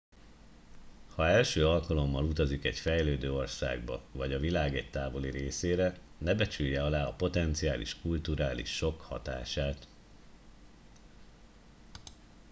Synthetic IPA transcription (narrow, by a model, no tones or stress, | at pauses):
hɒɛlʃøːɒlkɒlo̞mːɒlut̪ɒzikɛɟfɛjløːd̪øːo̞rsa̰ːɡbɒ̰vɒɟɒvilaːɡɛc̚t̪aːvo̞liɾeːseːɾɛ | nɛbɛt͡ʃyjːɛɒlaːɒpo̞t̪ɛnt̪siaːlḭʃkult̪uɾaːlḭʃːo̞khɒ̰t̪a̰ːʃaːt̪